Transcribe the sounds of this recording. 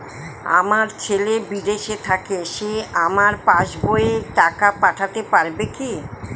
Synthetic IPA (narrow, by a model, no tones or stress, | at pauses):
a̰maɾt͡ɕʰelebid̪eʃet̪ʰakeʃeamaɾpaʃboeʈakapaʈʰat̪epaɾbeki